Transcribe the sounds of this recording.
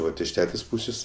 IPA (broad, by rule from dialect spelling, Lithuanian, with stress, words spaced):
ˈʋɐt ɪʃ ˈtʲæːtʲeːsʲ ˈpuːsʲeːsʲ